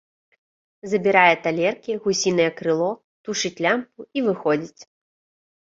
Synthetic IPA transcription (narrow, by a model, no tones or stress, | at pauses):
zɐbʲiɾajɛt̪alʲɛrkʲiɣusʲinɨjɛkɾɨlˠɔ | t̪uʂɨt͡sʲlʲampuivɨxɔd͡zʲit͡sʲ